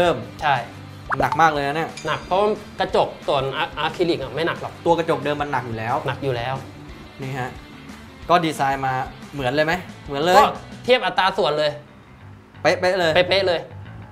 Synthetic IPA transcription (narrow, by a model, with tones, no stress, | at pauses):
ɾɤː˥˩mt͡ɕʰa˥˩j | na˨˩k̚maː˥˩k̚lɤː˧jna˦˥ni˥˩ɐna˨˩k̚pʰɔ˦˥waː˥˩ | ka˧t͡ɕo˨˩k̚su˨˩ənʔa˧ʔaː˧kʰi˧li˨˩k̚ʔa˨˩ma˥˩jna˨˩k̚lɔ˨˩k̚t̪u˧ɐka˧t͡ɕo˨˩k̚dɤː˧mːa˧nːa˨˩k̚juː˨˩lɛː˦˥wna˨˩k̚juː˨˩lɛː˦˥w | niː˥˩ɦa˦˥ʔ | kɔː˥˩diː˧saː˧jmaː˧mɯ˩˦ənlɤː˧ma˦˥jmɯ˨˩˦nlɤː˧ɔː˧˥˩t̪ʰi˥˩əp̚ʔa˨˩t̪ːaː˧su˨˩˦ənlɤː˧j | pe˦˥ʔpe˦˥ʔlɤː˧jpa˧˩jpe˦˥ʔlɤː˧j